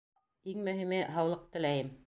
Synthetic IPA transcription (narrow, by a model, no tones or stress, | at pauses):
iŋmɵ̆ɦimɘɦɑwlˠɤq̚t̪ɘ̆læjɘm